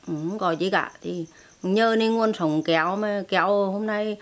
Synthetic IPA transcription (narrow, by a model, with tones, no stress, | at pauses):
ʔɨ˨˩˦kɔ˨˩jt͡ɕi˧˦ka̰ː˧˨t̪ʰi˨˩˨ | ɲəː˧ne˧nŋu˧ənsə˨˦wŋ͡mkɛ˨˩˦wmaː˨˩kɛ˨˩˦who˧mna˧j